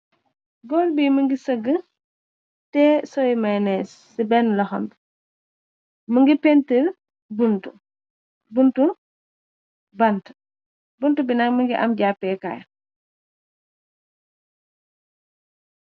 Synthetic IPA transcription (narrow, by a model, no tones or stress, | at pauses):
ɡɔːlbiːməŋɡisɐɡə | tɛːsɔjmɐjnɛsːibɛnlɐxɐ̰mb | məŋɡipɛntil | buntu | buntu | bɐnt | buntubinɐkməŋɡiʔɐmɟapːɛːka̰ːj